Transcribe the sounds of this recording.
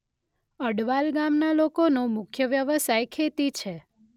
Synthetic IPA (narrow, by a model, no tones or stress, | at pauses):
əɽʋalɡamnalokonomʊkʰjəʋjəʋəsajkʰet̪it͡ʃʰe